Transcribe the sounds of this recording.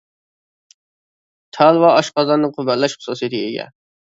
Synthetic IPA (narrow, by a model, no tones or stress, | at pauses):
t̪ʰɑlˠwɑɑʃqɑzɑnːɨqʰʊbællːɛʃχʊ̥suːsijet̪ʰɨḛɡʲɛ̰